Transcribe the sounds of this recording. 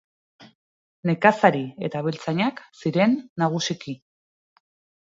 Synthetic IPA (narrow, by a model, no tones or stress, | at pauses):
ne̞kasaɾie̞̰t̪aβ̞elt͡saɲaksiɾe̞nːaɣ̞usiki